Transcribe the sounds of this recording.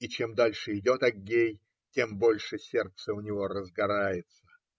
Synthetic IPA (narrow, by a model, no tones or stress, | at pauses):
it͡ɕe̞md̪alʲʂɨɪdʲo̞t̪ɐɡʲːej | tʲe̞mbo̞lʲʂɨsʲe̞rt̪səʊnʲɪvo̞ɾəzɡɐɾajɪt̪sə̥